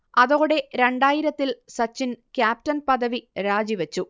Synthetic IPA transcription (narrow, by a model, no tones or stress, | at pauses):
ɐðoːɽe̞ɾe̞ɳɖaːjiɾɐt̪ːilsɐt͡ɕːinkʲjaːp̚tɐnpɐðɐʋiɾaːd͡ʑiʋɐt͡ɕːu